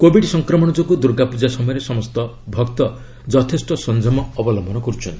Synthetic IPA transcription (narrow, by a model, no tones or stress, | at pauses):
kobʱiɖsɔŋkɾɔmɔɽ̃ɔd͡ʒokud̪uɾɡapud͡ʒasɔmɔjɔɾesɔmɔst̪ɔ | bʱɔkt̪ɔ | d͡ʒɔt̪ʰesʈɔsɔnd͡ʒʱɔmɔːbɔlɔmbʱɔnɔkɔɾut͡ʃʰɔnt̪i